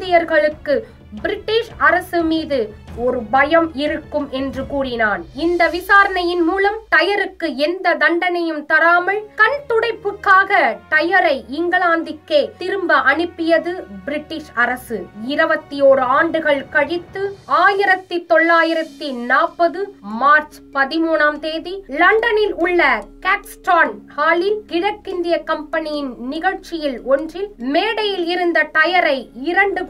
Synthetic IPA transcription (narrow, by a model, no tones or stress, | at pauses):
d̪ɪjɐɾɣɐɭɯkːɯ | bɪɾɪʈːiːʂɐɾɐsɯmiːðɯɔɾɯbɐjɐmɪɾɯkːɯmʔɛndrɯkuːrɪnaːnɪnd̪ɐʋɪsaːɾɐnɐjɪnmuːlɐmt̪ɐjɐɾɯkːɯɛnd̪ɐd̪ɐɳɖɐnɐjɯmt̪ɐɾaːmɐɭkɐɳt̪ʊɽɐɪpːɯkːaːɣɐt̪ɐjɐɾɐɪɪŋɡɐɭaːnd̪ɪkːeːt̪ɪɾɯmbɐʔɐɳɯpːɪjɐðɯbɪɾɪʈːɪʂɐɾɐsɯɪɾɐbɐt̪ːijoːɾɯaːɳɖɯɣɐɭkɐɻɪt̪ːɯaːjɪɾɐt̪ːit̪ɔɭːaːjɪɾɐt̪ːinaːpːɐðɯmaːɾt͡ʃ | pɐðɪmuːnaːmt̪eːðilɐɳɖɐnɪlʊɭːɐkaːksʈaːnhaːlikɪɽɐkːɪnd̪ɪjɐkɐmpɐnɪjɪnnɪɣɐɻt͡ʃːɪjɪlɔndrɪlmeːɽɐjɪlɪɾɯnd̪ɐʈ̪ɐjɐɾɐɪɪɾɐɳɖɯ